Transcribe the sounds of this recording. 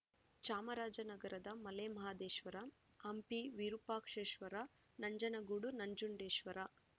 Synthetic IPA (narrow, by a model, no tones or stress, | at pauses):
t͡ʃaːmɐɾaːd͡ʒɐnɐɡɐɾɐd̪ɐmɐlemɐɦaːd̪eːʃʋɐɾɐ | ɐmpiʋiɾupaːkʂeːʃʋɐɾa | nɐɲd͡ʒɐnɐɡuːɽunɐɲd͡ʒuɳɖeːʃʋɐɾɐ